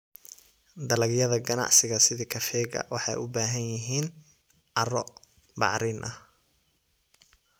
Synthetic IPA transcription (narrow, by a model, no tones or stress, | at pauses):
d̪ɐlɐɡjɐðɐɡɐnɑ̰ʕsɪɣɐsɪðiːkʰɐfɛːɡɐ̰wɑħɑjʊbaːɦɐnjɪɦiːn | ʕɑrɔ | bɑ̰ʕɾɪːnʔɐh